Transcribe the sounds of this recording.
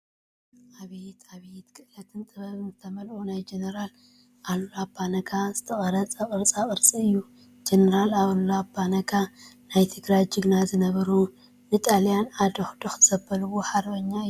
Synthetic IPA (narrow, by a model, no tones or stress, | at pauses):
ʔaβijt̪aβijt̪kʰɨʔlɐt̪ʰɨnt̪ʼɨβɐβɨnzɨt̪ʰɐmɐlʔʼunajd͡ʒenɐɾal | ʔalːoabanɐkʰaz̥ɨt̪ʰɐχʼɐɾɐt͡sʼɐkʼɨɾt͡sʼakʼɨɾt͡sʼiɨjːu | d͡ʒenɐɾalaβɐlːoabːanɐkʰanajt̪ʰɨɡɾajd͡ʒɨɡnazɨnɐβɐɾu | nɨt̪ʼaljanad̪oxd̪oxz̥ɐbːɐlβuħaɾbɐɲːaɨ